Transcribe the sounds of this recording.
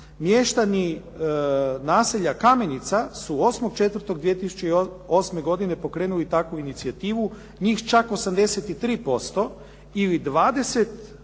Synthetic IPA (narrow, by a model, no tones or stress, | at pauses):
mjeʃt̪ani | naːseʎakame̞nit̪sasuo̞smoɡ̚t͡ʃe̞t̪ʋr̩t̪o̞ɡ̚d̪ʋijet̪isu̥t͡ɕei | o̞sme̞ɡo̞d̪ine̞po̞kɾe̞ːnulit̪akuinit̪siat̪iːʋu | ɲiːxt͡ʃako̞samd̪e̞set̪it̪ɾiːpo̞st̪o̞ | ilid̪ʋaːd̪e̞se̞t̪